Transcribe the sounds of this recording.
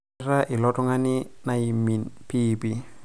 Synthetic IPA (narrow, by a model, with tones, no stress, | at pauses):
ra˦ʔɪ˨lɔtɔ˦ŋa˦nɪ˦nai˨mi˨npʰiːpi˨